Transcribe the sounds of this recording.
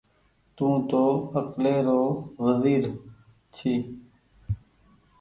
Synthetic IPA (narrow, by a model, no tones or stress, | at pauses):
t̪ũːt̪oːəkleːɾoːʋəziːɾ | t͡ʃʰiː